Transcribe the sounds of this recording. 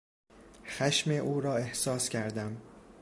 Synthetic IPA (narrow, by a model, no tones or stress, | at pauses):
xæʃmeʔuːɾɒːe̞hsɒːscʰæɾd̪æm